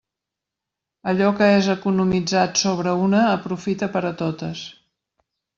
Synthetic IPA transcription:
əʎɔkəezəkunumid͡zat̪soβ̞ɾəunəːpɾufit̪əpəɾət̪ot̪əs

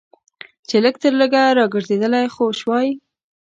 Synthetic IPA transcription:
t͡ʃeləɡt̪əɾləɡaɾɑɡəɾzed̪əlajxoʃwɑji

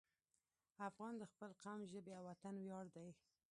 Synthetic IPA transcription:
afɣɑnd̪əxpəlqamʒəbeawat̪anwjɑɽd̪aj

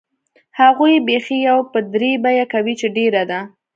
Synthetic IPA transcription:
haɣujbexijawpəd̪ɾebajakawit͡ʃeɖeɾad̪a

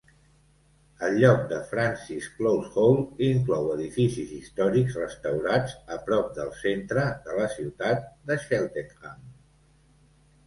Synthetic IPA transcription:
əlʎːɔk̚d̪əfɾansisklowsɣowliŋklɔwəðifisizist̪ɔɾikzrəst̪əwɾad͡zəpɾɔp̚d̪əlˠsent̪ɾəd̪ələsiwt̪at̪̚d̪əʃɛlˠt̪eŋaŋ

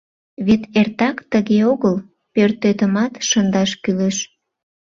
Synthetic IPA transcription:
βet̪ert̪ɑkt̪əɣeoɣəl | pørt̪øt̪əmɑt̪ʃənd̪ɑʃkyleʃ

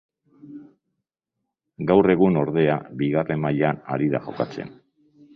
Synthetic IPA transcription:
ɡawre̞ɣuno̞ɾðe̞abiɣare̞mːaʎanaɾiða̰ʝo̞̰kat͡se̞̰n

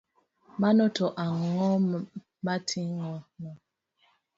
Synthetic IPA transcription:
manɔtɔʔaŋɔ | matʰiŋɔnɔ

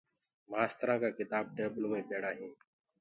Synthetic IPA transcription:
maːst̪əɾãːkaːkɪt̪aːb̚ʈeːbloːmẽːpeːɽãːɦĩː

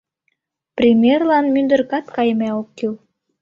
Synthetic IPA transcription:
prʲimʲjerlɑnmynd̪ə̆rkɑt̪kɑjmæokːil

